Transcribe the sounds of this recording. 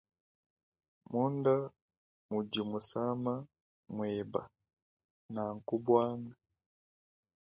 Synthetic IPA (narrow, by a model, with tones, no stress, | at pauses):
mu˦nda˦ | mu˨ɟi˨mu˨sa˦ma˦ | mweba̰˨ | na˨ŋku˦bwaː˦ŋɡa